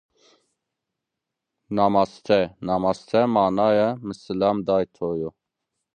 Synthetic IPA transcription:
nɑmɑst̪ʰɛnɑmɑst̪ʰɛmɑːnɑjɛməsɨlamd̪ɑːjt̪ʰojo

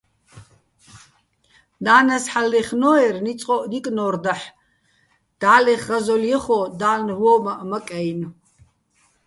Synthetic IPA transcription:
naːnɐsħalːɛχnɔɛrnit͡sʼɔʔnikʼnɔrd̪aħ | d̪̥aːlɛχːazɔljɛχɔd̪aːnwɔːmaʔmɐkʼɛjn

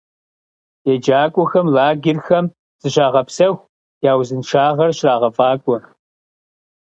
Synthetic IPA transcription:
jed͡ʒaːkʷʼɔxɐmlaːɡʲɪrxɐm | z̥ɨɕaːʁɐpsɐxʷ | jaːwzɨnʂaːʁɐrʃraːʁɐfʼaːkʷʼɔ

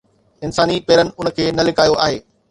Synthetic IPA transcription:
ɪnsaːnipeːɾənɪ̆ʊnəkʰeːnɐlɪkaːjoʔaːɦeː

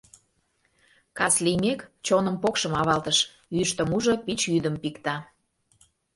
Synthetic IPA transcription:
kɑslimekt͡ɕonəmpokʃəmɑβɑlt̪əʃ | yʃt̪əmuʒopit͡ɕyd̪əmpikt̪ɑ

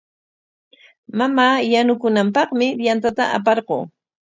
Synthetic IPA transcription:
mamaːjanʊkʊnampɑχmɪbjant̪at̪a̰ʔa̰p̬ɑɾqoː

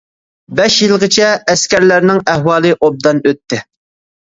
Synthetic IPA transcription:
bɛʃjilˠʁət͡ʃʰɛːskʲæɾlæɾnɪŋæhwɑːlˠɨʔob̚d̪ɑnøt̪ʰːɪ

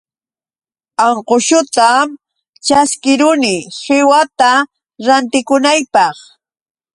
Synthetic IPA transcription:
aɴqoʃʊt̪am | t͡ʃaskɪɾʊnɪsɪwat̪a | ɾant̪ɪkʊnajpɑχ

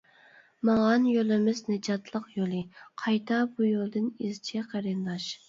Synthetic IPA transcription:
mɑŋɑnjolˠɪmɪznɪd͡ʒɑt̪ʰlˠəqjolˠɨqʰɑjt̪ʰɑbujolˠd̪ɨnizt͡ʃʰɛqʰæɾɨnd̪ɑʃ

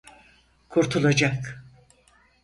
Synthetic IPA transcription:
kʰuɾt̪ʰulˠad͡ʒak

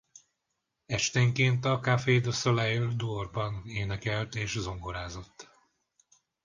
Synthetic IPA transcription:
ɛʃt̪eŋkeːnt̪ɒkafeːd̪osolɛjøld̪uorbɒneːnɛkɛlt̪eːʃzo̞ŋɡoɾaːzo̞t̪ː

